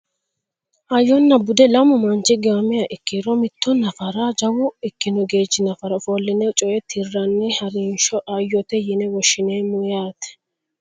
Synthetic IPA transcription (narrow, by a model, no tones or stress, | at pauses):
ʔɐjːɔnːɐbʊd̪ɛlɐmʊmɐnt͡ʃɪɡɐmɛjɐʔɪkːiɾɔmɪt̪ːɔnɐfɐɾad͡ʒɐwʊɪkːɪnɔɡe̞ːd͡ʒɪnɐfɐɾɐfolːɪnɛt͡ʃʼɔʔɛt̪ʰɪrːɐnːɛhɐɾinʃɔʔɐjːɔt̪ɛjɪnɛwɔʃːɪneːmʊjaːt̪ɛ̥